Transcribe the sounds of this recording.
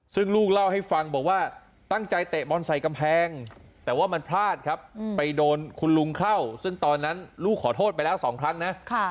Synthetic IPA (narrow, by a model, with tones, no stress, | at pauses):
sɯ˥˩ŋluː˥˩k̚la˥˩wha˥˩jfa˧ŋbɔː˨˩k̚waː˥˩ | t̪a˥˩ŋt͡ɕa˧jt̪e˨˩ʔbɔː˧nsa˨˩jka˧mpʰɛː˧ŋt̪ɛː˨˩waː˥˩ma˧npʰlaː˥˩t̪̚kʰa˦˥p̚pa˧jdoː˧nkʰu˧nlu˧ŋkʰa˥˩wsɯ˥˩ŋt̪ɔː˧nːa˦˥nluː˥˩kʰːɔː˩˦t̪ʰoː˥˩t̪̚pa˧jlɛː˦˥wsɔː˩˦ŋkʰɾa˦˥ŋna˦˥kʰa˥˩